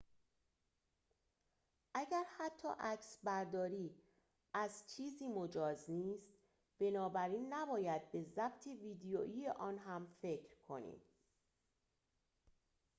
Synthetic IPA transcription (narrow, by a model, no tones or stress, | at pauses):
ʔæɟæɾhæt̪ʰːɒ̰ːʔæcsbæɾd̪ɒːɾiː | ʔæzt͡ʃʰiːziːmo̞d͡ʒɒːzniːst̪ | b̥e̞nɒːbæɾiːnːæbɒːjæd̪̚be̞zæb̚t̪ʰeviːd̪ejoːʔiːjeʔɒːnɦæmfe̞cʰɾkʰo̞nḭm